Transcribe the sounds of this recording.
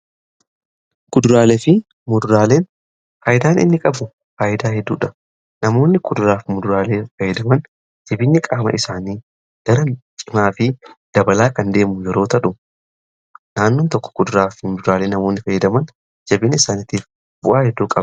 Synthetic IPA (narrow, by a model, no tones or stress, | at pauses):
kʊd̪ʊɾaːlefɪ | mʊd̪ʊɾaːle̞ːn | fɐːʔɪd̪aːnʔɪ̰nːɪkʼɐbʊ | faːʔɪd̪aːɦɛd̪ːuːᶑɐ | nɐmo̞ːnːɪkʊd̪ʊɾaːfmʊd̪ʊɾaːleːfɐjːɛd̪ɐmɐn | d͡ʒɐbɪnːɪkʼaːmɐ̰ʔɪsaːniː | ɡ̥ɐɾɐt͡ʃʼɪmaːfɪd̪̥ɐbɐlaːkɐnd̪e̞ːmʊjɛɾo̞ːt̪ɐᶑʊ | naːnːoːnt̪ɔkːɔ̥kʊd̪ʊɾaːfɪmʊd̪ʊɾaːleːnːɐmo̞ːnːɪfɐjːɐd̪ɐmɐn | d͡ʒɐbɪnːɪɪsaːnɪt̪iːf | b̥ʊʔaːhɛd̪ːuːkʼɐbɐ